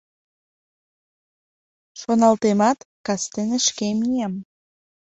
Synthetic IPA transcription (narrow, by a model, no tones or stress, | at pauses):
ʃonɑlt̪emɑt̪kɑst̪eneʃkemijem